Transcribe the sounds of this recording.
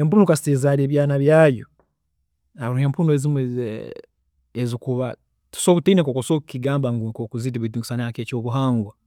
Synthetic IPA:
empunukasi̥teːzaɾeːβjaːnaβjaːjo̰ | aβɾuheːmpunuezimwe | ezikuβa | tu̥soːkutiinekokosokukiɡaːmbaŋɡukokuzit̬iβiduki̥sanakeːcoːβuɦaːŋɡwa

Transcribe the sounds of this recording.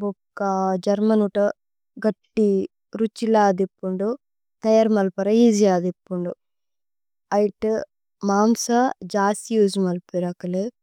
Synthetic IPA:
bokːɐd͡ʒɐɾmɐnuʈɐ | ɡɐʈːi | ɾut͡ʃːilaːd̪ipːuɳɖu | t̪ɐjɐɾmɐlpɐɾɐid͡ʒijaːd̪ipːuɳɖu | ɐjʈɨ | maːmsɐd͡ʒaːsijud͡ʒumɐlpeɾɐkɐle

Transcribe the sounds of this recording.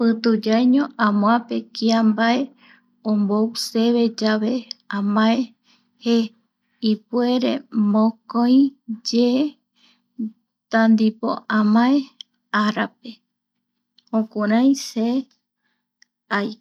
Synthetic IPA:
pɨt̪ud͡ʒajɲõãmõapekiambae | õmbowseβe̞d͡ʒaβeãmãe | he | ipwe̞ɾḛmõkõj̃d͡ʒe | t̪and̪ipo̰ʔãmãe | aɾap̚e | õkuɾãj̃se | aj

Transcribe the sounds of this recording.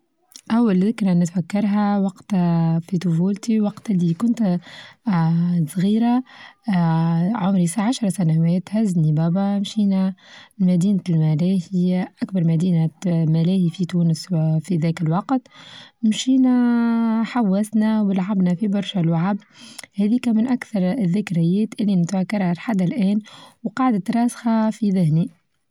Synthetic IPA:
ʔæwːalðɪkɾanɪt̪fækːɑɾˤɦæwɑqt̪fit̪ʊfuːlt̪iwɑqt̪lːikʊnt̪ | sˤɣiːɾa | ʕʊmɾisaʕaʃɾˤɑsænawɛːt̪hæznibæːbamʃiːnæmæd̪iːnlmælæːhɪjːæʔækbɑɾˤmæd̪iːnamælɛːhifit̪uːnəsfiðæːkəlwɑqt̪mʃiːnæ | ħawːæsnæwlʕabnæfibɑɾˤʃalwaʕabhæðikæmɪnʔakθɑɾˤðːɪkɾɪjːɛːt̪ʔɪlːinɪt̪fækːɑɾˤhalħad̪ːalʔɛːnwqɑːʕd̪at̪ɾˤɑːsxɑfiðɪhni

